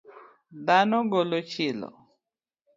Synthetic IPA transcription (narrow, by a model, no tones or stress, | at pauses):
danɔɡɔlɔt͡ʃilɔ̰